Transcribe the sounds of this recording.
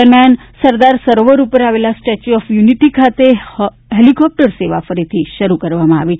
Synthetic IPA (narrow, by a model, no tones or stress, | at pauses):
əɾmjan | səɾd̪aɾsəɾoʋəɾupəɾaʋelasʈɛt͡ʃuɔfjuniʈikʰat̪e | ɦelikɔp̚ʈəɾseʋafəɾit̪ʰiʃəɾukəɾʋamãa̰ʋi